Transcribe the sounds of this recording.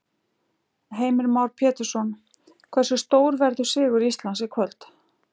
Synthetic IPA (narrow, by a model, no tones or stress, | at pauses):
ɦeːjmɪɾmawɾpʰɛːt̪ɪɾ̥sɔn | kʰvɛr̥sʏst̪oːwɾvɛɾðʏ̥sɪːɣʏɾist̪lansɪkʰvœlt̪